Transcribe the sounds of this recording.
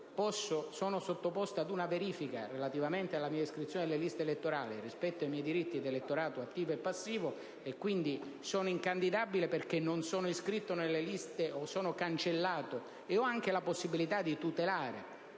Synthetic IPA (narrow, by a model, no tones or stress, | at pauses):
pɔsːosɔːnosot̪ːopɔst̪ad̪unaveɾiːfika̰relat̪ivament̪ealːamiːaiskɾit̪sjoːned̪elːelist̪eelet̪ːoɾaːlirispɛt̪ːoajmɛjd̪iɾit̪ːid̪elet̪ːoɾaːt̪oat̪ːiːvoepːasːiːvo | ekːwind̪i | sɔːnoiŋkand̪id̪abileperk̟enːonsɔːnoiskɾit̪ːonelːelist̪eosɔːnokant͡ʃelːaːt̪o | eɔaŋk̟elaposːibilit̪ad̪it̪ut̪elaːɾḛ